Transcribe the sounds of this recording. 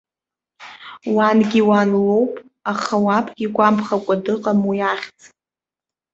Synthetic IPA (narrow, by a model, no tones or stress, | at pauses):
wanɡʲiwanlowpʼ | aχawapʰɡʲikʷʼampʰχakʷʼadɨqʼamwiaχʲt͡sʼ